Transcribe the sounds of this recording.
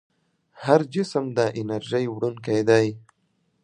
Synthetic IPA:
haɾd͡ʒɪsəmd̪əʔɪnaɾʒəjwɽunked̪aj

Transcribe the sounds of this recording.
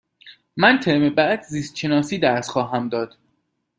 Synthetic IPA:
mænt̪ʰeɾmebæd̪ziːst̪ʃenɒːsiːd̪æɾsxɒːɦæmd̪ɒːd̪̥

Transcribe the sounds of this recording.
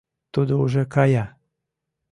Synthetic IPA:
t̪ud̪ouʒekɑjɑ

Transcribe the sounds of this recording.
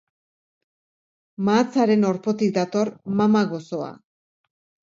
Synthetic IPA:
maːt͡saɾe̞no̞ɾpo̞t̪ik̚d̪at̪o̞rmamaɣo̞so̞a̰

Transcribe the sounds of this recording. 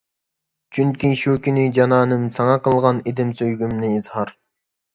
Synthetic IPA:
t͡ʃʰynkʲiʃuːkʲynɪd͡ʒɑnɑːnɨmsɑŋɑqəlˠʁɑned̪ɪmsøjɡʲymnɪizhɑɾ

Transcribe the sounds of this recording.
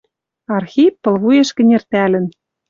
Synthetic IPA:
ɑrxʲit̚pɤ̆lβujeʃkɘ̆nʲert̪ælɘ̆n

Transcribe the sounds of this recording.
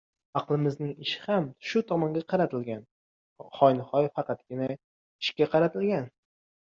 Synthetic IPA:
ɑqlˠɪmɪznɪŋɪʃɪ̥hamʃʊt̪ʰɒmɒŋɡʲaqʰɑɾat̪ʰɪlɡʲan | χɒjnɨχɒjfɑqɑt̪̚ɡʲɪna | ɪʃkʲaqʰɑɾat̪ʰɪlɡʲan

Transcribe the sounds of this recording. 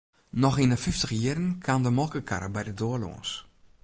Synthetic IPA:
nɔxinəfɪftəxjirənkʰandəmɔlˠkəkʰa̰ɾəbɛjdədoəlo̰ːns

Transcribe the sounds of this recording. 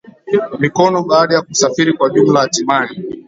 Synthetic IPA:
mikɔnɔɓaːɗajakusafiɾikwaʄumlajatimani

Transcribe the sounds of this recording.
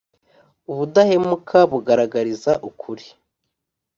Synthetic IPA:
uβudahemukʰaβuɡaɾaɡaɾizaʔukʰuɾi

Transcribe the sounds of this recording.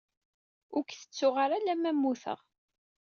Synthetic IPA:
ʊɾkθə̥t͡sːʊʁaɾælæmæmːuθə̰ʁ

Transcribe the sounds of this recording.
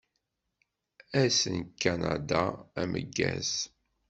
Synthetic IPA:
æsənkːanad̪aæməɡːæz

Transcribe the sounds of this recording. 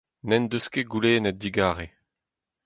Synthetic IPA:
nɛnd̪øskeɡuleːnɛt̪̚d̪iɡaːʁe

